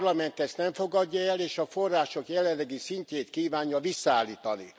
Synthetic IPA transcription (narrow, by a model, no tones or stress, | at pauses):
rlɒmɛnt̪ɛst̪nɛɱfo̞ɡɒɟːɒɛleːʃɒfo̞rːaːʃo̞kjɛlɛllːɛɡisiɲceːt̪kiːvaːɲjɒvisːaːlːiːt̪ɒnḭ